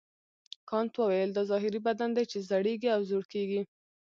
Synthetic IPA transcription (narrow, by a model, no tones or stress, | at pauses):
kɑnt̪wəwajəld̪ɑzɑɦɪɾibad̪and̪ajt͡ʃezaɽeɡiawzoɽkeɡi